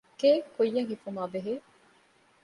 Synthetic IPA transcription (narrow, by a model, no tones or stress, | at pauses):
keːkojːɐŋhifumaːbeɦeː